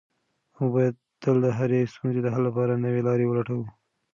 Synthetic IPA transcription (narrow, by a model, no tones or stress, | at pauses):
awbɑjad̪̚ | t̪əld̪əɦaɾest̪unzed̪əɦallapɑɾanəwelɑɾewəlaʈawu